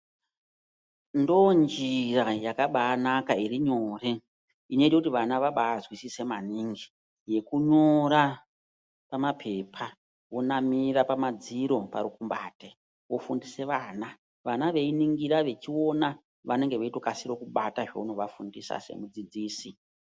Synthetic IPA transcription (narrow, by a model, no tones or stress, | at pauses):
ndo̞nd͡ʒirajakaɓaːnakairiɲo̞ːre̞ | ineitekutiʋanaʋaɓaːzwisise̞maniŋɡi | je̞kuɲo̞ɾa | pamapʰe̞pʰa | wo̞namiɾapamad͡ziɾo̞pa̰ɾukumbaːte | ʋo̞fundise̞ʋaːna | ʋanaʋe̞iniŋɡiɾaʋe̞t͡ʃio̞na | ʋane̞ŋɡe̞ʋeitokasiɾo̞kuɓataʐḛuno̞ʋafundisa̰se̞̰mud͡zid͡ziːsi